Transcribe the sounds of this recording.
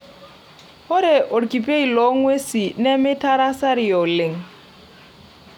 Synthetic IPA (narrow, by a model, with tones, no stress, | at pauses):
hʊ˦ɾɪ˨ʔʊ˨rkʼi˨pʼe˦i˨lɔ˦ŋwe˦si˨nɛ˦mɪ˦tʰa˦ɾa˦sa˦ɾɪ˨jɔ˨lɪ˨ŋ̩˨